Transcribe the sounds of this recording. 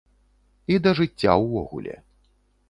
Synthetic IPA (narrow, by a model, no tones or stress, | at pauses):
id̪ɐʐɨt͡st͡sʲːa̰wvɔ̰ɣṵlʲɛ̰